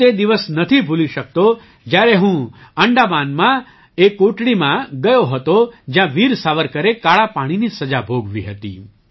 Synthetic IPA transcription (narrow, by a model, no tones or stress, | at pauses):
t̪ed̪iʋəsnət̪ʰibʱuliʃək̚t̪o | d͡ʒjaɾeɦũəɳɖabanmã | ekːoʈɽimãɡəjoɦət̪od͡ʒjãʋiɾsaʋəɾkəɾekaɭapaɽ̃inisəd͡ʒabʱoɡʋḭɦət̪ḭ